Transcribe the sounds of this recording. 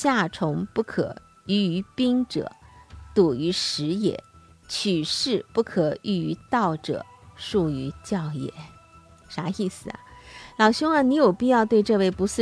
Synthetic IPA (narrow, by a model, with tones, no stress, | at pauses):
ɕja˥˩ʈ͡ʂʰʊ˧˥ŋpu˥˩kʰɤ̰˨˩˦ | y˧˥y˧˥pi˥ŋʈ͡ʂɤ̰˨˩˦t̪u˨˩y˧˥ʂɻ̩˧˥jɛ̰˨˩˦ | t͡ɕʰy˨˩ʂɻ̩˥˧pu˥˩kʰɤ˨˩y˥˩y˧˥t̪ɑ˥˩ʊʈ͡ʂɤ̰˨˩˦ | ʂu˥˩y˧˥t͡ɕjɑ˥˩ʊjɛ̰˨˩˦ | ʂa˧˥i˥˩sɹ̩˨˩ɐ̰˩lɑ˨˩ʊɕjʊ˥ŋa˨˧ni˧˥jo˨˩ʊpi˥˧jɑ˥˧ʊt̪we˥˧ɪʈ͡ʂɤ˥˧we˥˩ɪpu˧˥sɹ̩˥˩